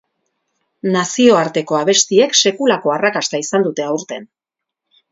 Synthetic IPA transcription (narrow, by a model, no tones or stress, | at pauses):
nasio̞aɾt̪e̞ko̞aβ̞e̞st̪ie̞kse̞kulako̞arakast̪aisand̪ut̪e̞auɾt̪e̞n